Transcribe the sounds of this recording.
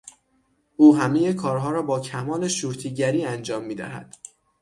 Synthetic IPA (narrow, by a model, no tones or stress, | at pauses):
ʔuːɦæme̞jekʰɒːɾɦɒːɾɒːbɒːcʰæmɒːle̞ʃuːɾt̪ʰiːɟæɾiːænd͡ʒɒːmːiːd̪æ̰ɦæ̰d̪̥